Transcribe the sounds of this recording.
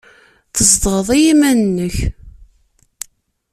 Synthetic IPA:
θəzd̪ʁəðˤijimænnːəç

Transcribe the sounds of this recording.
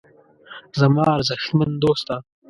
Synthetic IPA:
zɐmɑːɾzɐxmɐnd̪oːst̪a

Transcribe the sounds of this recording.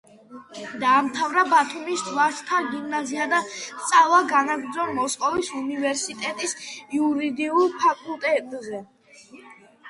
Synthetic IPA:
d̪aːmt̪ʰavɾabat̪ʰumisd̪vaɾst̪ʰaɡimnaziad̪ast̪sʼalˠaɡanaɡɾd̪zɔɾmɔsqʼɔvisunivɛɾsit̪ʼɛt̪ʼisiuɾid̪iulˠpʰakʼulˠt̪ʼɛt̪ʼzɛ

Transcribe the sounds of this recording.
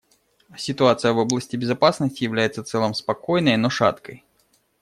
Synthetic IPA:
sʲɪt̪ʊat̪sɨjəvo̞blˠəsʲtʲɪbʲɪzɐpasnəsʲtʲɪjɪvlʲæjɪt̪səft̪sɛlˠəmspɐko̞jnəjno̞ʂa̰t̪kəj

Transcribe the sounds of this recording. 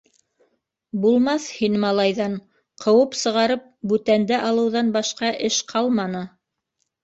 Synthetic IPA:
bulˠmɑθhinmɑlˠɑjðɑɴ | qʰɤ̆wɤpsɤ̆ʁɑɾɤp̚bʉt̪ænd̪æʔɑlˠɤ̆wðɑnbɑʃqɑʔɘʃqʰɑlˠmɑnɤ

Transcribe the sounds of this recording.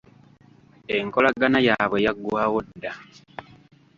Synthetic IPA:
eŋko̞laɡanajaːβwe̞jaɡːwaːwodːa

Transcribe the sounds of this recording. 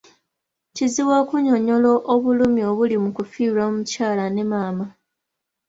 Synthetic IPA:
ciziwakuɲo̞ɲo̞loʔoβulumio̞βulimukufiːlamucaːlane̞maːma

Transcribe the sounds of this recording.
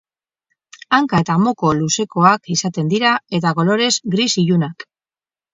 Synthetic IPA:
aŋkaet̪amo̞ko̞luse̞ko̞akisat̪e̞nd̪iɾae̞t̪ako̞lo̞ɾe̞zɡɾisiʎunak

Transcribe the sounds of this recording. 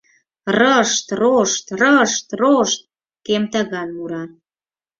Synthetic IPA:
rəʃt̪roʃt̪rəʃt̪roʃt̪̚ | kemt̪əɣɑnmuɾɑ

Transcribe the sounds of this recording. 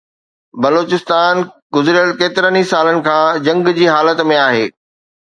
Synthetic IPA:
bɐloːt͡ɕɪst̪aːnɡʊzɾəlkeːt̪ɪɾənisaːlənɪ̆kʰãːd͡ʑɐ̃ŋɡd͡ʑiːɦaːlət̪mẽaːɦeː

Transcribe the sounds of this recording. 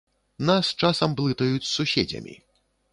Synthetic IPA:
nast͡ʂasɐmblˠɨt̪ɐjut͡sʲsusʲɛd͡zʲɐ̰mʲḭ

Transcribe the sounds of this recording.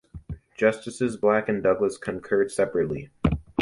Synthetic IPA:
d̥ʒ̥ʌstɨsɨzblækɨ̃ndʌɡləskʰɨ̃nkʰɜ˞d̥sɛpɹɨtˡli

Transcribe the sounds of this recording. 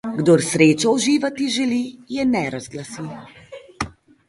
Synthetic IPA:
ɡd̪oɾsɾeːt͡ʃɔuʒiːʋat̪iʒɛlijɛnɛɾazɡlasi

